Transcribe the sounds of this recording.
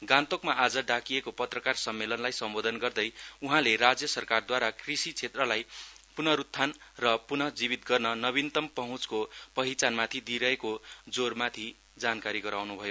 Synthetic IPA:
ɡãnt̪okmaʔad͡zʌɖakijekopʌt̪rʌkarsʌmːelʌnlajsʌmbod̪ʱʌnɡʌrd̪ʌjuɦãleɾad͡zjʌsʌrkard̪waɾakrisit͡sʰet̪rʌlajpunʌɾut̪ʰːanrʌpunʌd͡zibit̪ɡʌrnʌnʌβint̪ʌmpʌɦũt͡skopʌɦit͡sanmat̪ʰid̪iɾʌɦekod͡zormat̪ʰi | d͡zankaɾiɡʌɾawnubʱʌjo

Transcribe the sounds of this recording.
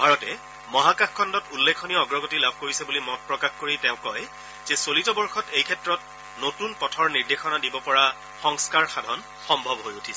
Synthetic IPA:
bʱaɹɔtɛ | mɔɦakaxkʰːɔndɔtulːekʰːɔniɔɔɡɹɔɡotilabʱkoɹisɛbulimɔt̚pɹɔkaxkoɹitɛ̃ʊ̃kɔj | zɛsolitɔbɔɹxɔtejkʰɛtɹɔt | notunpɔtʰɔɹniɹdexɔnadibɔpɔɹa | xɔŋskaɹxadʱɔn | xɔmbʱɔbɦojutʰisɛ

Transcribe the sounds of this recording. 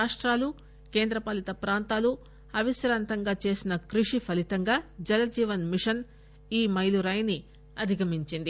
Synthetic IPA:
aːʂʈɾaːlu | ke̞ːnd̪ɾɐpaːlit̪ɐpɾaːnt̪aːlu | ɐʋiʃɾaːnt̪ɐŋɡaːt͡ʃe̞ːsinɐkɾiʂipʰɐlit̪ɐŋɡaːd͡ʒɐlɐd͡ʒiːʋɐnmiʂɐn | iːmɐjluɾaːjni | ɐd̪ʱiɡɐmiɲt͡ʃind̪i

